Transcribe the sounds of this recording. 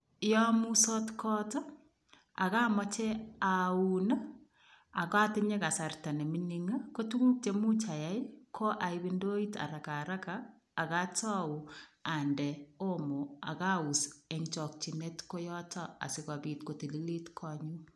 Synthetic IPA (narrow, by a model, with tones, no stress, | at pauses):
jɔ˦mu˦sɔ˦tkʰɔ˦tɔ˦ | a̰˨ka˦mɔ˦t͡ʃɛ˦a˨una˦ | a˨ka˦tɪ˦ɲe˦ka˨sa˨rta˨ne˨mi˦ni˦ŋa˦ko˦tu˦ŋu˦k̚t͡ʃe˨mu˦t͡ʃa˨ja˦jkʰo˦ʔa˨ibe˦ndo˦i˦ta̰˨ɾa˨ka˨ɾa˦kaː˨ | ka˦tɔ˦u˨a˨ndɛ˨o˦mo˨a̰˨ka˦u˨seŋt͡ʃɔ˨k̚t͡ʃi˨ne˦tko˦jɔ˦tɔ˦a̰˨sɪ˦ka˨bi˨tko˨ti˨li˦li˦tkʰɔɲu˦